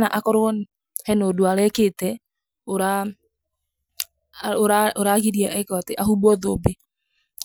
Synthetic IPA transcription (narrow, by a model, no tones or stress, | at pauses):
naʔakɔɾoɔn | hɛnodoaɾɛketɛ | oɾa | oɾaoɾaɣiɾiaʔɛkwateʔaɦubɔðobe